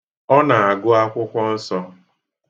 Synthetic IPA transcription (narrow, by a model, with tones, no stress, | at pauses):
ɔ˦na˨a˨ɡʊ˦a˦kʷʊ˦kʷɔ˦n̩˦sɔ˦